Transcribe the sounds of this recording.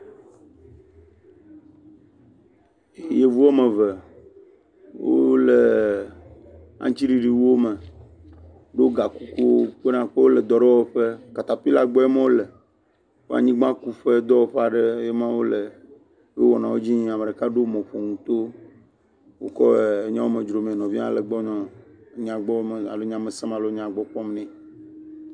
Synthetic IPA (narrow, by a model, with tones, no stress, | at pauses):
e˨je˦vu˦ɔ˦mẽ˨və˨ | wʔo̰˦le˨ | ã̰˨˦t͡ɕi˦ɖi˨ɖi˨wo˦me˨ | ɖo˦ɡa˨ku˦ku˦wo˦k͡pe˦nã˦ɸe˦wo˦le˨d̪ɔ˨ɖɛ˦wɔ˦ɸe˦ka˨t̪a˨ɸi˦la˦ɡ͡bɔ˦e˦mẽ˦wo˦le˨ | wo˦a̰˨ɲĩ˦ɡ͡bã˦ku˦ɸe˦d̪ɔ˦wo˦ɸɛ˦a˨ɖe˦je˦mã˦wo˦le˨ | jo˦wɔ˨nã˨wo˦d͡ʑi˦ɲĩ˦a˨me˨ɖe˨ka˦ɖo˦mɔ̃˨ɸɔ˨ŋũ˨t̪o˦ | wo˨kɔ˦˨e˨ɲã˦wo˦me˨d͡ʒɾo˨mẽ˨nɔ̃˨vi˦ã̰˦˨le˨ɡ͡bɔ˦ɲɔ̃˨˦ɲ̃˦˨ã˨ɡ͡bɔ˦me˨a˨lo˦ɲã˦me˨sɛ̃˦mã˨lo˦ɲã˨ɡ͡bɔ˦ɸɔ̃˦mnɛ̃˦